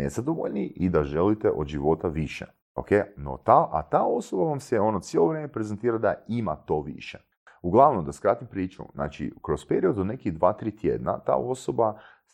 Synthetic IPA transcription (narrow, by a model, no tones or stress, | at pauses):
esad̪oʋo̰ʎniid̪aʒe̞lit̪eʔod̪ʒiʋo̞t̪aʋiʃḛ | o̰keno̰t̪aʔat̪aːo̞sobaʋamseo̞not̪sjelo̞ʋɾjeːmepɾe̞zent̪iːɾad̪aimat̪o̞ːʋḭʃe | uɡlˠaʋnomd̪askɾaːt̪impɾiːt͡ʃṵzna̰ːt͡ʃḭkɾo̞spe̞ɾiod̪one̞kiɣd̪ʋaːt̪ɾiːt̪je̞̰d̪na̰t̪a̰ːʔo̞soba